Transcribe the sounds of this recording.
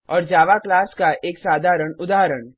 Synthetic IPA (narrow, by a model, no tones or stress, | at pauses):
ɔːɾd͡ʒaːʋaklaːskaʔeːksaːd̪ʱaːɾəɽ̃ʊd̪aːɦɾəɳ